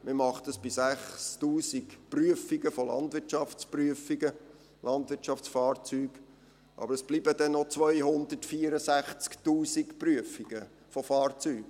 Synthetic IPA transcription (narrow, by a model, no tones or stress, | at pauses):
məmɑχtəsb̥isæχstuːsikpryəfiɡəfolɑ̰ndʋɪtʃɑft͡spryəfiɡə | lʔɑnd̪ʋɪtt͡ʃɑft͡sfɑːrt͡syːɡ | ʔɑ̰bəɾəsb̥liːbəd̥ɛnːot͡sʋœjhʊnd̪ətfiəɾəsæχt͡sktuːsikpryəfiɡ̥ə | fofɑːrt͡syːk